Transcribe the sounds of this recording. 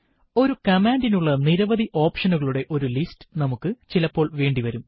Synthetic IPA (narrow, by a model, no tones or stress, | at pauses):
o̞ɾukɐmaːndinuɭːɐniɾɐʋɐðiʔo̞ːpʂɐnuɣɐɭuɽe̞ʔo̞ɾulistɨ̥nɐmukːɨt͡ɕilɐpːo̞ːɭʋe̞ːɳɖiʋɐɾum